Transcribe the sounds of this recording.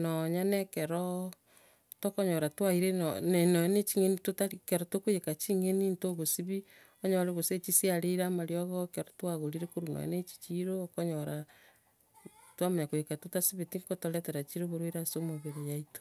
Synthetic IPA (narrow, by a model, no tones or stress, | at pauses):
nɔɲanɛkɛɾɔ | tɔkɔɲɔɾatwaiɾennɛnɔjnet͡ʃiŋenitotaɾikɛɾɔtokojekat͡ʃiŋenintoɣosiβi | ɔɲɔɾeɣoset͡ʃisiaɾeɾamaɾjɔɣɔkɛɾɔtwaɣoɾiɾekoɾunɔ̰jɛ̰net͡ʃi̥t͡ʃiɾoːkɔɲɔɾa | twamaɲakojekatotasiβetiŋkotolɛtɛɾat͡ʃiɾoβoɾwiɾasomoβeɾejaito̥